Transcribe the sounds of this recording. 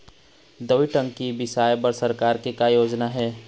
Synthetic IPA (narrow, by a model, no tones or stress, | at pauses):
d̪ɐwiʈə̃ŋɡkibɪsaːjbɐɾsɐɾkaːɾkikajoːd͡ʒnaɦɛː